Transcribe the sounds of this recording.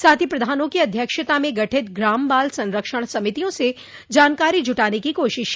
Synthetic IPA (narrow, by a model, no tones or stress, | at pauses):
saːt̪ʰipɾɐd̪ʱaːnõkiɐd̪ʱjəkʃət̪amẽɡɐʈʰɪt̪̚ɡɾaːmbaːlsɐ̃nɾəkʃəɽ̃sɐmɪt̪ijõse | d͡ʒaːnkaːɾid͡ʒʱʊʈaːnekikoːʃɪʃ